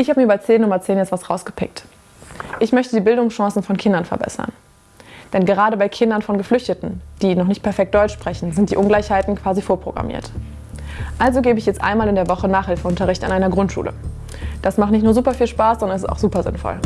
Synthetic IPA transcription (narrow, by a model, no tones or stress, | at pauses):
ʔɪçhaːbəmiːɐyːbaɪt͡seːnːʊmɐt͡seːnjɛt͡stvasʁaʊsɡ̥əpʰɪ̰k̚t | ʔɪçmœçtədiːbɪldʊŋsʃɑ̃ːsn̩fɔnkʰɪndɐnfɛɐbɛ̰sɐ̰n | d̥ɛnɡəʁaːɾəbaɪkʰɪndɐnfɔnɡəflʏçtətn̩d̥iːnɔχnɪçt̚pʰɛɐfɛk̚td̥ɔʏt͡ʃʃpʁ̥ɛçn̩zɪnt̚d̥iːʔʊnɡlaɪçhaɪtn̩kʰv̥aːzifoːɐpʁ̥oɡʁa̰mḭːɐt | ʔalzoɡeːbəɪçjɛt͡stʔa̰ɪnmaːlɪndeɐvɔχənaːχhɪlfəʔʊntɐʁɪçta̰nʔaɪnɐɡʁʊntʃṵːlə̰ | d̥asmaχtnɪçtnuːɐzuːpɐfiːlʃpaːszɔndɐnɛs̬ɪsta̰ʊxz̥uːpɐzɪ̰nfɔ̰l